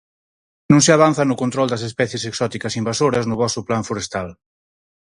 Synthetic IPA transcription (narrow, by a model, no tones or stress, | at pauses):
nũŋseaβ̞an̟θanʊkont̪ɾɔld̪ɐs̬espɛθjeseksɔt̪ikɐsimbasoɾɐznʊβɔsuplaɱfuɾest̪al